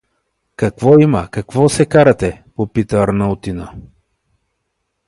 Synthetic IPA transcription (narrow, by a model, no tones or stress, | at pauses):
kɐkvɔimɐkɐkvɔsɛkaɾɐt̪ɛpopit̪əːɾnɐʊt̪inə